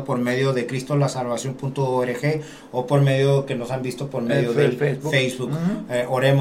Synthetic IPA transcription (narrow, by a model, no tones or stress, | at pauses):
opo̞ɾme̞ðjo̞ðe̞kɾist̪o̞lasalβasjo̞mpunt̪ooeɾexe̞ | opo̞ɾme̞ðjo̞ke̞no̞sambist̪o̞po̞ɾmeðjoðefejzβukeʔoɾem